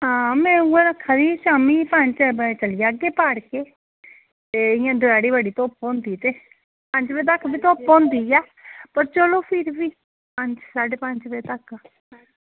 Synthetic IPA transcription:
ɦãːmɛ̃ːuẽɾəkʰːaːd̪iːsaːmiːpəɲt͡ʃt͡ʃəlijaːɡeːpaːɽkeː | t̪eːɪjãːd̪ʊɛːɽiːbəɽiːt̪oːpõnd̪iːt̪eː | pəɲt͡ʃbeːt̪əkbiːt̪oːpõnd̪iːɛː | pəɾt͡ʃəlõːpʰɪɾʋiː | pəɲt͡ʃsaːɖeːpəɲt͡ʃbeːt̪ək

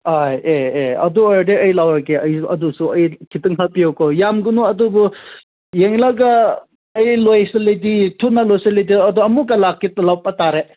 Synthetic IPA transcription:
hajeːɐ̰duojdeɐjlawɾakeɐjɐdusuɐjkʰitɯŋɦapijawkowjamɡunuɐdubu | jeŋlaɡɐː | jlojseliditʰunːalojselidiɐdoɐmukɐlakːitɐlawpataɾe

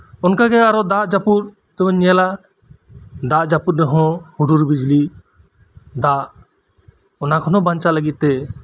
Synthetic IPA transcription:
ɔnkaɡɛaɾɔd̪aʔd͡ʒapuɾ | t̪ɛɔ̃ɲɛla | d̪aʔd͡ʒapuɾɾɛɦɔ̃huɖuɾbid͡ʒli | d̪aʔ | ɔnakʰɔnɔbaɲt͡ʃaləɡit̪̚ːɛ

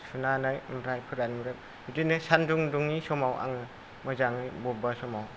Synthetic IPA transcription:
sunanajmɾajpʰɯɾanmɾɯp | bidinɯsanduŋduŋnisɔmawa̰ŋɯ | mazaŋɯjbɔbasɔmaw

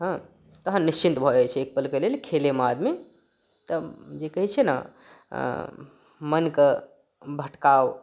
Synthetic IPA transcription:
ɦə̃ | t̪əɦənːist͡ʃint̪bʱɔd͡ʒɛt͡ʃʰɛek̚pəlkelelkʰelemad̪me | t̪əd͡ʒekəɦit͡ʃʰɛna̰ | mənke | bʱəʈkaw

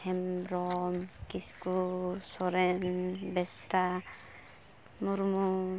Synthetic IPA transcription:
ɛmɾɔmkisu̥kusɔɾenbɛsɾa | muɾmu

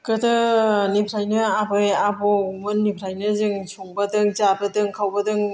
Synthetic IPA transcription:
kɯdɯnipʰɾajnɯabɯjabɔumɯnːipʰɾajnɯzɯŋsuŋbadɯŋt͡ʃabɯdɯŋkʰawbɐdɯŋ

